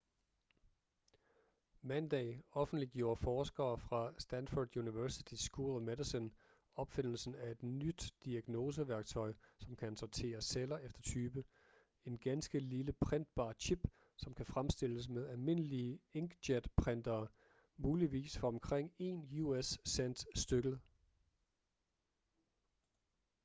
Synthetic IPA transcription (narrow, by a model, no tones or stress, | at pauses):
mænd̥ɛ̰ːɒ̽fn̩d̥liɡ̥jo̝ːɐfɒːsɡ̥ɐːfʁɑ̈sd̥ænfod̥juniʋæɐsit͡sʰisɡ̥uːlˠmedisɔn | ɒ̽b̥fe̝n̰l̩sn̩æe̝d̥nyd̥ːiæɡ̥no̝ːs̬əʋæɐɡ̥t͡sʰɒ̽ɪsɒ̽mkʰænsɒt͡sʰe̝̰ːɐselɐefd̥ɐt͡sʰyːb̥ə | e̝nɡ̥ænsɡ̥əliləpʰʁen̰d̥̚b̥ɑ̰̈ːt͡ɕʰib̥ | sɒ̽mkʰæfʁamsd̥e̝l̰əs̬meðˠælme̝nəliəeŋɡ̥dæd̥pʰʁen̰d̥ɐː | muːliʋḭːsfɒ̽ɒ̽mkʰʁeŋ̰e̝ːnjuesːend̥sd̥øɡ̥l̩